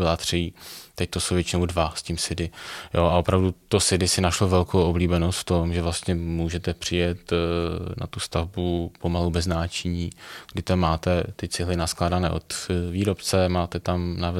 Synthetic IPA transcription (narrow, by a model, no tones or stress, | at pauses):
ɪlat̪r̝̥it̪ɛc̚t̪osowvjɛt͡ʃɪnowdvasciːmsɪdɪjoʔaʔopɾavdut̪osɪdɪsɪnaʃlovɛlkʰowʔobliːbɛnost̪ft̪o̞mʒɛvlast̪ɲɛmuːʒɛt̪ɛpr̥ɪjɛt̪na̰t̪ust̪avbupo̞malubɛznaːt͡ʃɪɲiːɡ̥dɪt̪amːaːt̪ɛt̪ɪt͡sɪɦlɪnasklaːdanɛ̰ːʔot̪viːɾopt͡sɛmaːt̪ɛt̪amna